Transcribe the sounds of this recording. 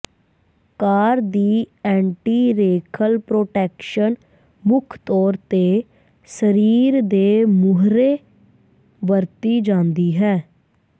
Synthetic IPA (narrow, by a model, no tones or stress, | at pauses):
kaːɾd̪iːɛ̃ːɳʈiːɾeːkʰəlpɾoːʈɛːkʃən | mʊkʰt̪ɔːɾt̪eː | səɾiːɾd̪eːmʊɦɾeː | bəɾt̪iːd͡ʒãːnd̪iːɦɛː